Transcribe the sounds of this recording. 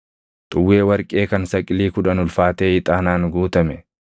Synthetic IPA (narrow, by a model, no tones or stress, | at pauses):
t̪ʼʊwːe̞ːwɐɾkʼe̞ːkɐnsɐkʼːɪliːkʊᶑɐnʊlfaːt̪eːɪt̪ʼaːnaːŋɡuːt̪ɐmɛ